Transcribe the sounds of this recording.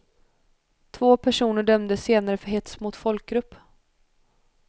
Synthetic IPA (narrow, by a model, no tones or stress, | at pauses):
t̪ʰvoːpʰæʂuːnəɖœmd̪əseːnaɾəfœɦɛt̪smʊt̪fɔlk̚ɡɾɵpː